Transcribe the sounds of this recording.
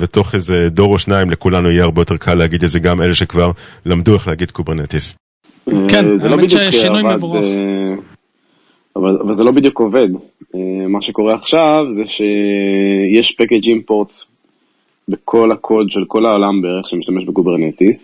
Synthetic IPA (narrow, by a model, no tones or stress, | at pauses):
vet̪o̞χezed̪o̞ʁoʃnaimlekulanuijeaʁbejot̪e̞ʁkʰalːehaɡid̪etzeɡame̞leʃekvaʁlamd̪ueχlehaɡid̪kubeʁnet̪is | ezelobid̪jukavalze | avalavalzelo̞bid̪jukove̞d̪emaʃeko̞ʁeaχʃavzeʃe | jeʃpaked͡ʒimpo̞ʁt̪s | bekʰo̞lakʰo̞d̪ʃelko̞laolambeeʁeχʃemiʃt̪ameʃbekubeʁnet̪is